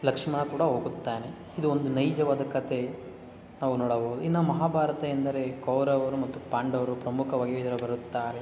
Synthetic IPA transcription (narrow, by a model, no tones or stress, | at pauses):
lɐkʂmɐnɐkuːɽɐɦo̞ːɡut̪ːaːne | id̪uond̪unɐjd͡ʒɐʋaːd̪ɐkɐt̪ʰe̞ | naːʋunɔːɽɐboːud̪uinːɐmɐɦaːbʱaːɾɐt̪ɐɐnd̪ɐɾe̞kɐwɾɐʋɐɾumɐt̪ːupaːɳɖɐʋɐɾupɾɐmukʰɐʋaːɡieid̪ɐɾɐbɐɾut̪ːaːɾe